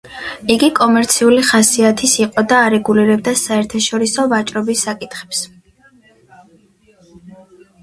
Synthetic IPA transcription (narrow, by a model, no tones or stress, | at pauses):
iɡikʼɔmɛɾt̪sʰiuliχasiat̪ʰisiqʼɔd̪aːɾɛɡuliɾɛb̚d̪asaɛɾt̪ʰaʃɔɾisɔvat͡ʃʼɾɔbisːakʼit̪ʰχɛ̥ps